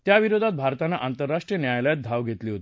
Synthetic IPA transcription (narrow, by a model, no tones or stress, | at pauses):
t̪jaʋiɾod̪ʱat̪̚bʱaɾt̪anːaʔant̪əɾːaʂʈɾijənjajljat̪̚d̪ʱaʋɡʱet̪liːɦot̪i